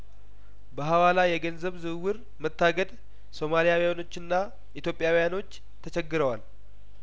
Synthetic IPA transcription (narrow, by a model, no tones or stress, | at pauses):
bəɦawalajɛɡənzəβzɨwɨɾ | mət̪ːaɡəd̪ | so̞malijawijano̞t͡ʃːɨnːa | ʔit̪jo̞pʼːjawijano̞t͡ʃː | t̪ʰət͡ʃɛɡːɨɾəwal